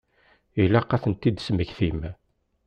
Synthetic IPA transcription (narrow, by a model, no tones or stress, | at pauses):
ilæqːɑθənt̪ːid̪sməçθim